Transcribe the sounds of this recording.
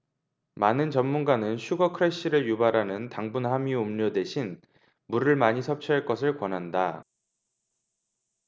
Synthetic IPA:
manɯnt͡ɕʌmːunɡanɯnɕʰuɡʌkʰɯɾeɕ͈iɾɯɭjubaɾɦanɯntaŋbunhamiumɲodwe̞ɕʰin | muɾɯɭmaɲisʰʌp̚t͡ɕʰiɦaɭk͈ʌsʰɯɭkwʌnɦanda

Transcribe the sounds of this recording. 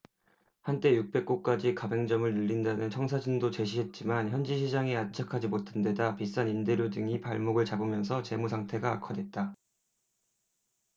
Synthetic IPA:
hant͈e̞juk̚p͈e̞k̚k͈ok͈ad͡ʑikabe̞ŋd͡ʑʌmɯɭnɯɭʎːindanɯnt͡ɕʰʌŋsʰad͡ʑɯndot͡ɕe̞ɕʰiɦe̞t̚t͡ɕ͈imançjʌnd͡ʑiɕʰid͡ʑaŋiat͡ɕʰakʰad͡ʑimotʰende̞dapis͈aninde̞ɾjodɯŋipaɭmoɡɯɭt͡ɕabɯmjʌnsʰʌt͡ɕe̞musʰaŋtʰe̞ɡaːkʰʌdwe̞t̚t͈a

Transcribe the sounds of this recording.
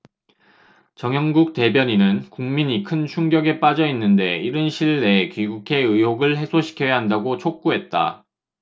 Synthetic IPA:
t͡ɕʌŋjʌŋɡuk̚t͈e̞bjʌɲinɯnkuŋmiɲikʰɯnt͡ɕʰuŋɡjʌɡe̞p͈ad͡ʑʌinːɯnde̞iɾɯnɕʰiɭːe̞kɥiɡukʰe̞ɯjoɡɯɭɦe̞sʰoɕʰi̥kʰjʌjaɦandaɡot͡ɕʰok̚k͈uɦe̞t̚t͈a̰

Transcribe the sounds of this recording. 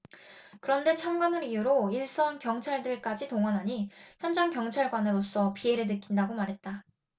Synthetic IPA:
kɯɾʌnde̞t͡ɕʰamɡanɯɾijuɾoiɭs͈ʌnkjʌŋt͡ɕʰaɭdɯɭk͈ad͡ʑitoŋwanɦaɲiçjʌnd͡ʑaŋkjʌŋt͡ɕʰaɭɡwanɯɾos͈ʌpie̞ɾɯɭnɯk͈indaɡomaɾɦe̞t̚t͈a

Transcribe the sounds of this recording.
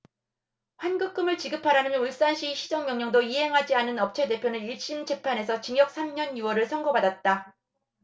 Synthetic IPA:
ɸwanɡuk͈ɯmɯɭt͡ɕiɡɯpʰaɾanɯnuɭs͈anɕʰiɕʰid͡ʑʌŋmjʌŋɲʌŋdoiɦe̞ŋɦad͡ʑianɯnʌp̚t͡ɕʰe̞de̞pʰjonɯniɭɕ͈imd͡ʑepʰane̞sʰʌt͡ɕiŋjʌk̚s͈ʰamɲʌnjuwʌɾɯɭsʰʌŋɡʌbadat̚t͈a

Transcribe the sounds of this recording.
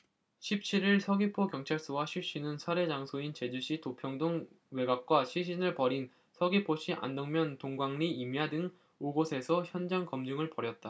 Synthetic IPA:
ɕʰip̚t͡ɕʰiɾiɭsʰʌɡipʰokjʌŋt͡ɕʰaɭs͈uwaɕʰiɭɕ͈inɯnsʰaɾe̞d͡ʑaŋsʰoint͡ɕe̞d͡ʑuɕʰitopʰjʌŋdoŋ | we̞ɡak̚k͈waɕʰiɕʰinɯɭpʌɾin | sʰʌɡipʰoɕʰiʔa̰ndʌŋmjʌntoŋɡwaŋniimjadɯŋ | oɡosʰe̞sʰʌçjʌnd͡ʑaŋkʌmd͡ʑuŋɯɭpʌɾjʌt̚t͈a

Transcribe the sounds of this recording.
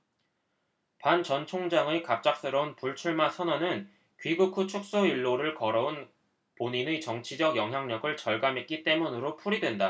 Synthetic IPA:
pant͡ɕʌnt͡ɕʰoŋd͡ʑaŋekap̚t͡ɕ͈ak̚s͈ɯɾʌunpuɭt͡ɕʰuɭmasʰʌnʌnɯn | kɥiɡukʰut͡ɕʰuk̚s͈oiɭːoɾɯɭkʌɾʌun | poɲinet͡ɕʌŋt͡ɕʰid͡ʑʌɡjʌŋɦjaŋɲʌɡɯɭt͡ɕʌɭɡamek͈it͈e̞munɯɾopʰuɾidwe̞nda

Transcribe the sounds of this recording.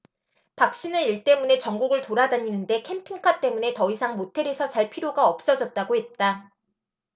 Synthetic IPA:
pak̚ɕ͈inɯniɭt͈e̞mune̞t͡ɕʌŋɡuɡɯɭtoɾadaɲinɯnde̞kʰe̞mpʰiŋkʰat͈e̞mune̞tʌisʰaŋmotʰe̞ɾe̞sʰʌsʰaɭpʰiɾjoɡaʌp̚s͈ʌd͡ʑʌt̚t͈aɡoɦe̞t̚t͈a

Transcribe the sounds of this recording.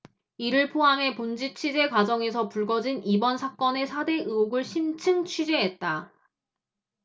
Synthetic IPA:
iɾɯɭpʰoɦamɦe̞pond͡ʑit͡ɕʰid͡ʑe̞kwad͡ʑʌŋe̞sʰʌpuɭɡʌd͡ʑinibʌnsʰak͈ʌne̞sʰade̞ʔɯoɡɯɭɕʰint͡ɕʰɯŋt͡ɕʰid͡ʑeɦet̚t͈a

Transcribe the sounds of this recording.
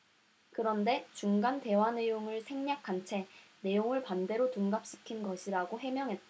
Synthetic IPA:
kɯɾʌnde̞t͡ɕuŋɡante̞wanejoŋɯɭsʰeŋɲak̚k͈ant͡ɕʰe̞ne̞joŋɯɭpande̞ɾotuŋɡap̚ɕ͈i̥kʰinɡʌɕʰiɾaɡoɦe̞mjʌŋɦe̞t̚t͈a

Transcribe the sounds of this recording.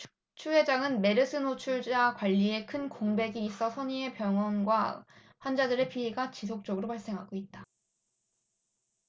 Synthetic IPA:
t͡ɕʰuɦe̞d͡ʑaŋɯnme̞ɾɯsʰɯnot͡ɕʰuɭd͡ʑakwaʎːie̞kʰɯnkoŋbe̞ɡiːs͈ʌsʰʌɲie̞pjʌŋwʌnɡwa | ɸwand͡ʑadɯɾe̞pʰieɡat͡ɕis̬ʰok̚t͡ɕ͈ʌɡɯɾopaɭs͈e̞ŋɦaɡoit̚t͈a

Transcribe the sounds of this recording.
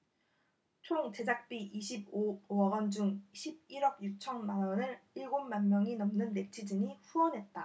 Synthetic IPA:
t͡ɕʰoŋt͡ɕe̞d͡ʑak̚p͈iʔiɕʰib̚oowʌɡʌnd͡ʑuŋɕʰib̚iɾʌbjuk̚t͡ɕʰʌnmaʌnɯɭiɭɡommanmjʌŋinʌmnɯnːe̞t͡ɕʰid͡ʑɯɲiɸuʌnɦe̞t̚t͈a

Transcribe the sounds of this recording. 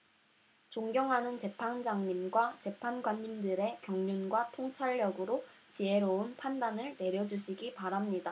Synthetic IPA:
t͡ɕoŋɡjʌŋɦanɯnt͡ɕe̞pʰand͡ʑaŋɲimɡwat͡ɕe̞pʰanɡwaɲːimdɯɾe̞kjʌŋɲinɡwatʰoŋt͡ɕʰaɭːʌɡɯɾo | t͡ɕie̞ɾoɯnpʰandanɯɭne̞ɾjʌd͡ʑuɕʰiɡipaɾamɲida

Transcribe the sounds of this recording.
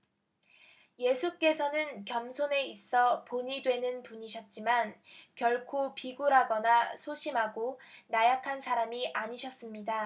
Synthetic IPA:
je̞sʰuk͈e̞sʰʌnɯnkjʌmsʰone̞is͈ʌpoɲidwe̞nɯnpuɲiɕʰʌt̚t͡ɕ͈imankjʌɭkʰopiɡuɾɦaɡʌnasʰoɕʰimɦaɡonajakʰansʰaɾamiʔaɲiɕʰʌs͈ɯmɲida

